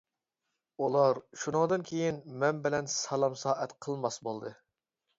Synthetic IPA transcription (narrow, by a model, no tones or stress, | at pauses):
ulˠɑɾʃunɨŋd̪ɨnkʲʰejinmɛnbɪlɛnsɑlˠɑmsɑːʔɛt̪qʰəlˠmɑsbolˠd̪ɨ